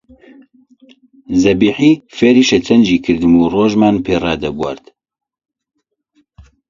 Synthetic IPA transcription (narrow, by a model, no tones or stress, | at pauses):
zɛbiːħiːfeːɾiːʃɛt͡sʰɛnd͡ʒiːkʰɨɾd̪ɨmuːroːʒmaːnpʰeːrɑːd̪ɛbwɐ̰ɾt̪